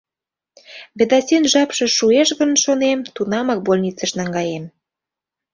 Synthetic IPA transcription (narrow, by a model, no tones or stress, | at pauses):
βed̪ɑsʲenʒɑpʃɤ̆ʃueʃɣə̆nʃonemt̪unɑmɑk̚bolʲnʲit͡səʃnɑŋɡɑjem